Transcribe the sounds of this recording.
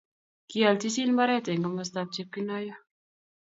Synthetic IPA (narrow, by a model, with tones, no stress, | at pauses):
ki˦a˨lt͡ʃi˦si˦nba˦ɾɛ˦˨tɛ˨ŋɔ˨mə˦st̪a˧p̚t͡ʃi˦p̚ki˦nɔ˦jɔ˦